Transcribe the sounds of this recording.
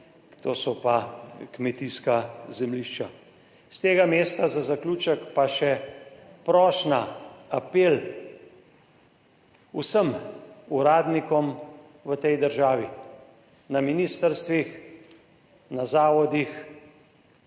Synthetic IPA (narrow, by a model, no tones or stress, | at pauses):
t̪oːsɔpakmɛt̪iskazɛmliʃt͡ʃa | st̪eːɡameːst̪azazakluːt͡ʃəkpaʃɛpɾɔːʃnaapel | usəmuɾaːd̪nikɔm | ʋət̪ɛjd̪əɾʒaːʋi | naminiːst̪əɾst̪ʋix | nazaːʋɔd̪ix